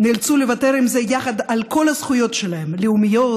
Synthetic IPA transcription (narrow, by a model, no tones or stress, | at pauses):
nilt͡sulevat̪eɾimzejaχɐd̪alko̞lɐsχujo̞t̪ʃelaɦemleumijo